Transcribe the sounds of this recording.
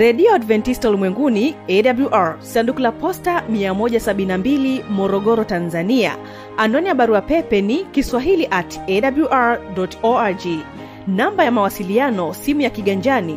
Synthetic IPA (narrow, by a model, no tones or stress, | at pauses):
ɾɛɗiɔadvɛntistulimwɛŋɡuniɛɗabluʔaɹsandukulapɔstamiamɔʄasaɓinnambilimɔɾɔɠɔɾɔtanzania̰ | andɔnijaɓaɾuapɛpɛnikiswaɦiliʔatɛɗabluʔaɹɗɔtɔad͡ʒi | nambajamawasilianɔsimujakiɠaɲd͡ʒani